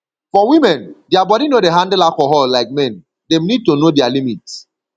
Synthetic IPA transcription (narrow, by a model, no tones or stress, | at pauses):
fɔwimɛ̃ndɪabɔɾinodeɦãndɛlakɔɦɔllaɪk̚mɛ̃n | dɛ̃mnid̚tonodɛalimit